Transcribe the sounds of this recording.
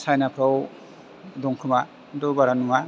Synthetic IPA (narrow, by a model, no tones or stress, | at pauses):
sajnapʰɾaw | dɔŋkʰɯma | dɔbaɾanuŋa